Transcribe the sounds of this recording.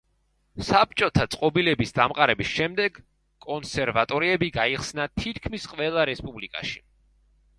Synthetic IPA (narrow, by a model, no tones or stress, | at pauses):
sap̚t͡ʃʼɔt̪ʰat̪sʼqʼɔbilɛbisd̪amqʼaɾɛbisʃɛmd̪ɛɡ | kʼɔnsɛɾvat̪ʼɔɾiɛbiɡaiχsnat̪ʰit̪ʰkʰmisqʼvɛlˠaɾɛspʼublikʼa̰ʃi̥